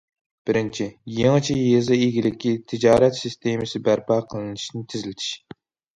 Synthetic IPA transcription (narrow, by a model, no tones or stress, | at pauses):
b̥ɪɾɪnt͡ʃʰijeŋɨt͡ʃʰijezɨeɡʲilɪkʲʰːit̪ʰɪd͡ʒɑːɾɛt̪sɪst̪emɨsɪbæɾpɑːqʰəlˠɨnɨʃnɪt̪ʰɪzɪlɪt̪ʰi̥ʃ